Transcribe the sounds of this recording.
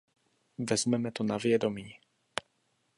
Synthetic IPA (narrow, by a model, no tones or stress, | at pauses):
vɛzmɛmɛt̪onavjɛd̪omiː